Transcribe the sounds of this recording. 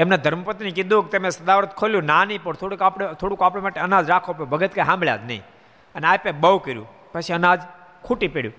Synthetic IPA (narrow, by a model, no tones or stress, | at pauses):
emned̪ʱəɾməpət̪inekid̪ũk̚t̪emesəd̪aʋɾət̪kʰoljũnanĩpəɳt̪ʰoɽikapɽet̪ʰoɽũkapɽemaʈeənad͡ʒɾakʰopobʱəɡət̪kajɦãmbɭja̰d͡ʒnə̰ḭ̃ | əneajpebəwkəɾjṵ̃ | pət͡ʃʰiənad͡ʒ | kʰuʈipeɽjṵ̃